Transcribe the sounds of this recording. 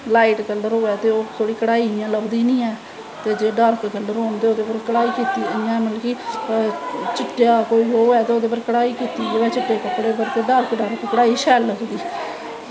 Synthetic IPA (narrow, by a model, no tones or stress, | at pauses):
laːiːʈkəlɖəɾɦoːɛːt̪eːoːt̪ʰoːɽiːkəɽaːijãːləbd̪iːnĩːɛː | t̪eːd͡ʒeːɖəɾkɡəlɖəɾɦoːnt̪eːoːd̪eːpəɾkəɽaːiːkiːt̪iːəjãːməlkiː | t͡ʃɪʈːjaːkoːiːoːoɛːt̪eːoːd̪eːpəɾkəɽaːiːkiːt̪iːdeːʋɛːt͡ʃɪʈːeːkəpːɽeːbəɾt̪eːɖəɾkɖəɾkkəɽaːiːʃɛːlːəɡd̪iː